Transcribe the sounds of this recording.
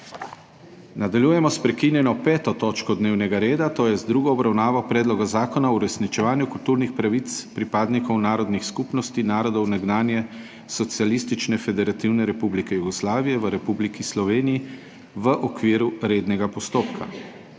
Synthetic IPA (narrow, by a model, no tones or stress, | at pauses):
nad̪aljujɛmɔspɾɛkinjɛnɔpɛːt̪ɔt̪oːt͡ʃkɔd̪neːwnɛɡaɾeːd̪at̪oːjɛzd̪ɾuːɡɔːbɾawnaːʋɔpɾɛːd̪lɔɡazaːkɔnauɾɛsnit͡ʃɛʋaːnjukult̪uːɾnixpɾaʋit̪spɾipaːd̪nikɔwnaːɾɔd̪nixskupnɔst̪inaːɾɔd̪ɔwnaɡnaːnjɛ | sɔt̪sialist̪it͡ʃnɛfɛd̪ɛɾat̪iwnɛɾɛpublikɛjuɡɔslaːʋijɛʋəɾɛpublikislɔʋeːniji | ʋəʔɔkʋiːɾuɾeːd̪nɛɡapɔst̪oːpkʰa̰